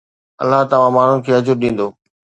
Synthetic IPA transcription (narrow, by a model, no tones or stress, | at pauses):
ɐ̰lːaɦt̪ɐʋ̤ãmaːɳ̤ʊnɪ̆kʰeːɐd͡ʑʊɾɗĩːn̆d̪oː